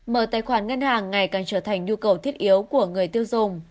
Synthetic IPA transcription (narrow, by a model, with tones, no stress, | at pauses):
məː˧˩t̪aː˨˩jxwaː˧˩nŋə˧nhaː˨˩ŋːa˨˩jkaː˨˩nt͡ɕəː˧˩t̪ʰa˨˩jŋ̟ɲu˧kə˨˩wt̪ʰi˦˥ət̚ʔi˨˦əwku˧˩əŋɨ˨˩əjt̪i˧əwzʊ˨˩ŋ͡m